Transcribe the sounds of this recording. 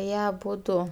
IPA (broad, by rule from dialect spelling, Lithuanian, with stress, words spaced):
ˈjiɛ ɐˈbʊdʊ